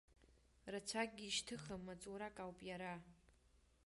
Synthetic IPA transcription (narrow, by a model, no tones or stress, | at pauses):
rat͡ʃʷʰak̚ʼɡʲiːʃtʰɨχamːat͡sʼuɾakʼawpʼjaɾa